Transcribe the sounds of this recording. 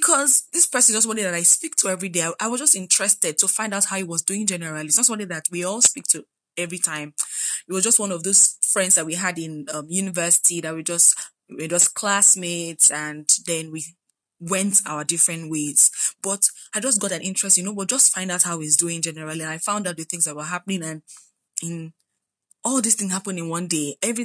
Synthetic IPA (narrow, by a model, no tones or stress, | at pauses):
bikʰɔzðɪspɜ˞sɨ̃nzɔswɔ̃niðɨɾaɪspik̚tʰəɛvɹideɪaɪʔaɪwʌzd͡ʒʌstɪ̃nt͡ʃɹ̥ɛstɛd̚tʰəfãɪ̃ndaʊt̚haʊit̚wʌzduɪ̃ŋd͡ʒɛnəɹəlˠitsnɔsɔ̃niðɨt̚wiɔlˠspik̚tʰə | ɛvɹitʰãɪ̃mɪt̚wʌzd͡ʒʌst̚wʌ̃nɔvðoz̥fɹɛ̃ndzðat̚wiɨdɪ̃nʌ̃mjʉnɨvɜ˞sɪ̥tʰiðɨt̚wid͡ʒʌst | wəd͡ʒʌskʰl̥asmedsɨ̃nðɛ̃nwi | wɛ̃ntʰa̰ʊədɪfɹɨ̃ntwez̥b̥ʌtaɪd͡ʒʌsɡɔɾɨ̃nʔɪ̃nt͡ʃɹ̥ɛstjɨnobʌt̚d͡ʒʌstfãɪ̃ndaʊt̚haʊizduɪ̃ŋd͡ʒɛnəɹalˠiãnaɪfãʊ̃ndaʊt̚ðɨθɪ̃ŋzðat̚wə˞ɦapnɪ̃ŋɨ̃n | ɪ̃n | ɔlˠðɪsθɪ̃ŋhapə̃nɪ̃nwʌ̃ndeɛvɹi